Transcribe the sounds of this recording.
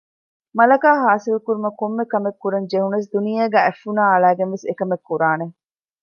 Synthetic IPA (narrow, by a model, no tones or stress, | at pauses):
mɐlɐkaːɦaːsilkuɾumɐkomːekɐmekːuɾɐɲd͡ʒehunɐs̬d̪unijeːɡæːʔæfːunaːɐɭæːɡenʋesekɐmekːuɾaːne